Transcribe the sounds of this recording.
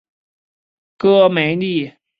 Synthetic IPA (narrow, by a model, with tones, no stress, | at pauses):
kɤ˥˩me˨˥ɪni˥˩˨